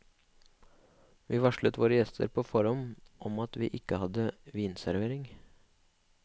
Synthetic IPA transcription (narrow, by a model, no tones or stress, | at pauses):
ʋiːʋɑʃɭət̪ʋoːɾəjɛst̪ʰə̰ɾpʰoːfɔɾɔmʔɔmɑt̪ʋiːʔɪkːəhɑd̪əʋiːnsæɾʋeːɾɪŋ